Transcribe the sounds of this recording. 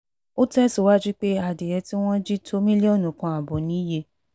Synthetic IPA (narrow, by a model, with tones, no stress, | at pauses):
o˦tɛ˦so˨wa˦d͡ʒi˦k͡pe˦a˨de˨jɛ˧ti˦w̃ɔ̃˦d͡ʒi˦tʰo˦mĩ˦li˦ɔ˦˨nũ˨kã˧a˨bɔ˨nĩ˨˦je˧˦